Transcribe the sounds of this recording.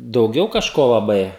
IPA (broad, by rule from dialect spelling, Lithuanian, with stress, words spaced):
dɐʊˈɡʲɛʊ kɐʃˈkoː lˠɐˈbɐɪ